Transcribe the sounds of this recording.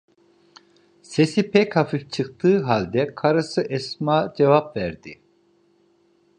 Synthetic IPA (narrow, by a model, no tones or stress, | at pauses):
sesipʰɛkhafift͡ʃʰɯk̚t̪ʰɯːɦalʲd̪ɛkʰaɾɯsɯʔɛsmaːd͡ʒɛvap̚væɾd̪i